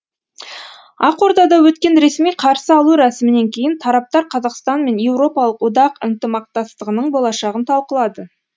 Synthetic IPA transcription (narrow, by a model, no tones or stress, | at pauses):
ɑqo̞ɾd̪ɑd̪ɑwɵt̪kʲe̞nɾe̞smijqʰɑɾsəɑlˠuɾæsɪmɪne̞ŋkʲʰe̞jɪnt̪ʰɑɾɑp̚t̪ɑɾqʰɑzɑqst̪ɑnme̞nje̞wɾo̞pɑlˠəqwod̪ɑqɪnt̪əmɑq̚t̪ɑst̪əʁənəɴbolˠɑʃɑʁənt̪ʰɑlˠqəlˠɑd̪ə